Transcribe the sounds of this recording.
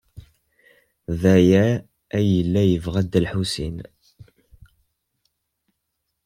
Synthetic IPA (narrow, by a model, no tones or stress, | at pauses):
ðæjæ | æjəlːæjəvʁæd̪əlħusḭn